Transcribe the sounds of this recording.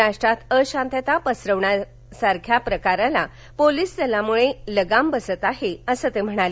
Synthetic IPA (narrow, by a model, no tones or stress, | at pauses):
ɾaʂʈɾat̪əɕãnt̪at̪apəsɾəʋɳja | saɾkʰjapɾəkaɾãla | poliːsd͡zəlamuɭeləɡambəsət̪aɦeəsət̪em̤əɽ̃ale